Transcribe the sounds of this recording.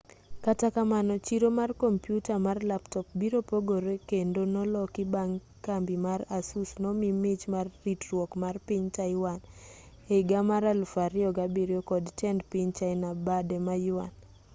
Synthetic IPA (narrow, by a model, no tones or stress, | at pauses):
katakamanɔt͡ʃiɾomarkompjutamarlaptɔp̚biɾopoɡoɾekendonɔlɔkɪbaŋ | kambimaɾasusnɔmimɪt͡ʃmarːitɾwɔkmarpiɲtaɪwan | eɡamaɾalfaɾɪɔɡabiɾjokɔdtɛndpɪɲt͡ʃaɪnabadɛmajuwan